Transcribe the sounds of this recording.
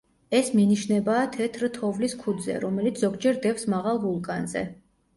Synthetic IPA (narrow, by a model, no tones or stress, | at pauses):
ɛsminiʃnɛbaːt̪ʰɛt̪ʰɾt̪ʰɔvliskʰud̪zɛ̰ɾɔmɛlit̪sʰz̥ɔɡd͡ʒɛɾd̪ɛfsmaʁalˠɡulˠkʼanzɛ̰